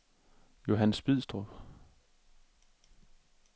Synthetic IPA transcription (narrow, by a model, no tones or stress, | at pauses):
jo̝ɦænəsb̥ið̰ˠsd̥ʁɔb